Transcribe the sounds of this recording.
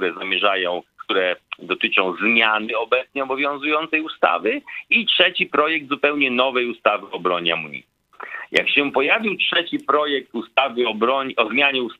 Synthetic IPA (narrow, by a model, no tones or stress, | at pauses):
ɾɛzamʲjɛʐajɔ̃w̃kt̪uɾɛd̪ɔt̪ɘt͡ʂɔ̃w̃zmʲjanɘɔbɛt̪sɲɛɔbɔvʲjɔ̃w̃zujɔ̃nt̪sɛjust̪a̰vɘitʂɛt͡ɕipɾɔjɛɡ̚d̪zupɛwɲɛnɔvɛjust̪avɘɔbɾɔɲa̰muɲḭ | ja̰kɕɛpɔjavʲiwtʂɛt͡ɕipɾɔjɛk̚t̪ust̪avɘɔbɾɔɲɔzmʲjaɲɛus